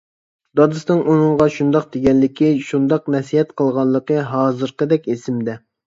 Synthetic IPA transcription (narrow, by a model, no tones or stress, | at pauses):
d̪ɑd̪ɨsnɨŋʔunɨŋʁɑʃund̪ɑq̚d̪eɡʲɛnlːɪkʲiʃund̪ɑqnɛsiɦɛt̪qʰəlˠʁɑnlˠːəqəɦɑːzɨɾqəd̪ɛkʲesɪmd̪ɛ